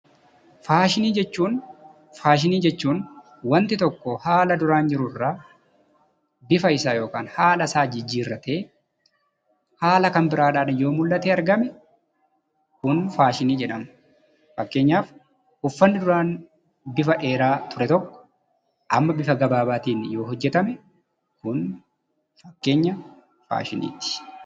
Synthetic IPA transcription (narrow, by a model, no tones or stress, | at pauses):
faːʃɪniːd͡ʒɛt͡ʃːuːn | faːʃ̬ɪniːd͡ʒɛt͡ʃːuːn | wɐnt̪ɪt̪ɔkːɔhaːlɐd̪ʊɾaːnd͡ʒɪɾʊrːaː | bɪfɐɪsaːjo̞ːkaːnhaːlɐsaːd͡ʒɪd͡ʒːiːrːɐt̪e̞ː | haːlɐkɐmbɪɾaːᶑaːᶑɐjo̞ːmʊlːɐt̪eːɐɾɡɐmɛ | kʊnfaːʃɪniːd͡ʒɛᶑɐm | fɐkːe̞ːɲːaːf | hʊfːɐnːɪd̪ʊɾaːn | bɪfɐᶑe̞ːɾaːt̪ʰʊɾɛt̪ɔkːɔ̥ | ʔɐmːɐbɪfɐɡɐbaːbaːt̪iːnɪjo̞ːɦɔd͡ʒːɛt̪ɐmɛ | kʊn | fɐ̥kːe̞ːɲːɐ | fa̰ːʃɪnḭːt̪ɪ̥